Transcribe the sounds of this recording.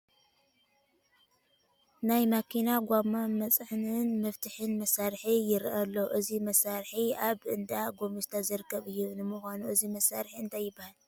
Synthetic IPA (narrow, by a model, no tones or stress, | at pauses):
najmakʰinaɡʷamːamɐt͡sʼħnɨnmɐft̪ʰɨħɨnmɐsaɾħijɪɾʔɐlːo̞ʔɨzimɐsːaɾħiaβʔɨnd̪aɡo̞mist̪ʰazɨɾɨkʰːɐβɨjːunɨmuxʷanuʔɨzimɐsːaɾħiɨnt̪ʰajːɪbːahal